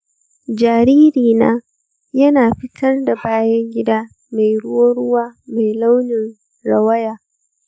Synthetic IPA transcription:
d͡ʒaː˨ɾiː˦ɾiː˨na̰ː˦ | jɐ˦naː˨ɸɪ˦tʰɐ˦rda˨baː˦jɐ˦ŋɡʲɪ˦daː˦ | ma˨jɽʊ˦woː˦ɽʊ˦waː˦ma˨jla˦wnɪ˨n | ɽɐ˨wɐ˦jaː˨

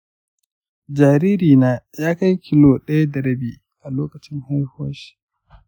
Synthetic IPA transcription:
d͡ʒaː˨ɾiː˦ɾiː˨naː˦jaː˦ka˦jkʲʰi˦loː˨ɗɐ˦ja˦dɐ˨ɾɐ˦biː˨ | ʔa˨loː˦kɐ˨t͡ʃɪ˦ŋhoː˦hoː˦ʃi̥˨

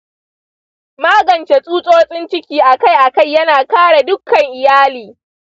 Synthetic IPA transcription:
maː˦ɡɐ˨nt͡ʃe˨sʼuː˦sʼɔː˦rsʼɪ˦nt͡ʃɪ˦kʲiː˦ʔa˨ka˦jʔa˨ka˦˨jːɐ˦naː˨kaː˦ɽa˨dʊ˦kʰːɐ˨ŋʔɪ˨jaː˦liː˨

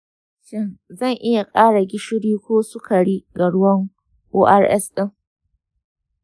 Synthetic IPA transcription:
ʃɪ˦˨nzɐ˦˨ŋʔɪ˦ja˨kʼaː˦ɽa˨ɡʲɪ˦ʃɪ˦ɽiː˦kʷoː˦sʊ˦ka˨ɽi˦ɡa˨ɽʊ˦wɐ˦ŋ | ʔoː˦ʔa˦rʔɛ˦sɗɪ˦˨ŋ

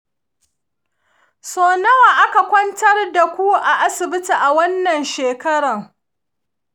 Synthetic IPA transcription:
soː˨nɐ˦wa˨ʔa˦ka˨kʷɔ˦ntɐ˦rda˨kʷu˦ʔa˨ʔa˦sɪ˨bɪ˦ti˨ʔa˨wɐ˦nːɐ˨nʃeː˨kɐ˦ɽɐ˨ŋ

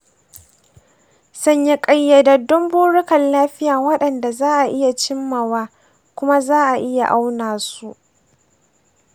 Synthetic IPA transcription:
sɐ˦ɲji˦kʼɐ˦jːa˨dɐ˨dʊ˦mbuː˦ɽʊ˦kɐ˨nlaː˦ɸɪ˦jaː˨wɐ˦ɗɐ˨nda˨zaː˦ʔa˨ʔɪ˦ja˨t͡ʃɪ˦mːa˨waː˦ | kʷʊ˦ma˦zaː˦ʔa˨ʔɪ˦ja̰˨ʔa˦wnaː˨su˦˨ʔ

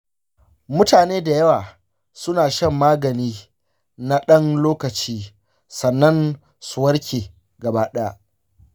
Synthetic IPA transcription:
mʊ˦taː˨neː˦da˨jɐ˦waː˨ | sʊ˦naː˨ʃɐ˦mːaː˦ɡɐ˨niː˦ | na˦ɗɐ˦nloː˦kɐ˨t͡ʃiː˦ | sɐ˨nːɐ˦n | sʊ˨wɐ˦ɽkʲʰeː˨ | ɡɐ˨baː˦ɗɛ˦a˦ʔ

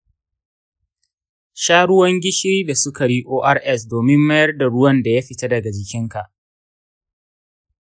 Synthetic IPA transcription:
ʃaː˦ɽʊ˦wɐ˦ŋɡʲɪ˦ʃi˦da˨sʊ˦ka˨ɽiː˦ʔoː˦ʔa˦rʔɛ˦˨s̬doː˨mɪ˦mːɐ˦jɐ˦rda˨ɽʊ˦wɐ˦nda˨ja˦ɸɪ˨ta˦dɐ˨ɡa˨d͡ʒɪ˨kʲɪ˦ŋka˨ʔ

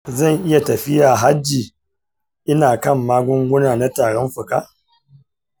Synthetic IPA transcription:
zɐ˦˨ŋʔɪ˦ja˨tɐ˨ɸɪ˦jaː˨ɦa˦d͡ʒiː˨ | ʔɪ˦naː˨kɐ˦˨mːaː˦ɡʷʊ˦ŋɡʷʊ˦naː˨na˦taː˨ɽɔ˦mɸʊ˨ka̰˦

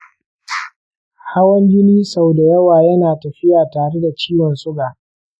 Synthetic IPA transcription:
ha˦wɐ˦ɲɡʲɪ˦niː˦sa˨wda˨jɐ˦waː˨jɐ˦naː˨tɐ˨ɸɪ˦jaː˨taː˨ɽe˦da˨t͡ʃiː˦wɐ˨nsʊ˦ɡaː˨ʔ

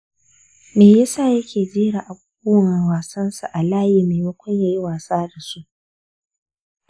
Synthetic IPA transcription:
meː˨jɐ˦saː˦˨jɐ˦kʲeː˨d͡ʒeː˦ɽa˨ʔa˨buː˦wwaː˨sɐ˦nsa˨ʔa˨laː˦jiː˨meː˨wɐ˦kʷɐ˦jja˨ji˦waː˨saː˦da˨su˦ʔ

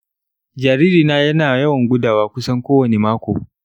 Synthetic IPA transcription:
d͡ʒaː˨ɾiː˦ɾiː˨naː˦jɐ˦naː˨jɐ˦wɐ˨ŋɡʷʊ˦daː˨waː˦kʷʊ˦sɐ˦ŋkʷoː˦wɐ˨ne˨maː˦kʷo̰ː˨

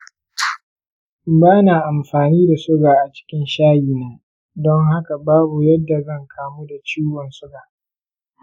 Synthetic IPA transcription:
baː˦naː˨ʔa˨mɸaː˨niː˦da˨sʊ˦ɡaː˨ʔa˨t͡ʃɪ̥˦kʲɪ˦nʃaː˦jiː˨naː˦ | dɔ˦ŋɦa˦ka˨baː˦bu˨jɐ˦dːa˨zɐ˦ŋkʰaː˨muː˦da˨t͡ʃiː˦wɔ˨nsʊ˦ɡaː˨ʔ

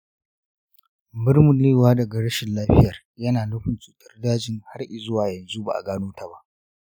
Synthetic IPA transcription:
bɪ˦rmʊ˨nleː˦˨waː˦dɐ˨ɡa˨ɽɐ˦ʃɪ˨nlaː˦ɸɪ˦jɐ˨r | jɐ˦naː˨lʊ˦ɸʊ˨nt͡ʃuː˨tɐ̥˦rdaː˦d͡ʒɪ˨ŋha˦rʔɪ˨zʊ˦waː˨jɐ˨nzu˦ba̰˨ʔa̰˨ɡaː˦noː˦ta˨ba˦ʔ

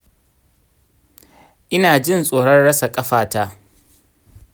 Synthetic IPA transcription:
ʔɪ˦naː˨d͡ʒɪ˦˨nsʼoː˨ɽɐ˦nɽɐ˦sa˨kʼɐ˦ɸaː˨taː˦

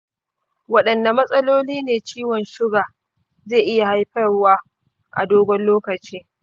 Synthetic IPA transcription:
wɐ˦ɗɐ˨nda˨mɐ˦sʼɐ˦loː˦liː˦neː˨t͡ʃiː˦wɔ˨nʃɪ˦ɡaː˨ | zeː˦˨ʔɪ˦ja˨ha˦jɸɐ˦rwaː˦ | ʔa̰˨doː˦ɡʷɔ˦nloː˦kɐ˨t͡ʃiː˦

